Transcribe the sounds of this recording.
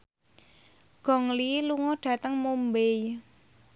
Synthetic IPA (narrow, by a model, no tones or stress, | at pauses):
ɡ̥ɔ̤ŋliluŋɔɖ̥ä̤t̪əŋmumbej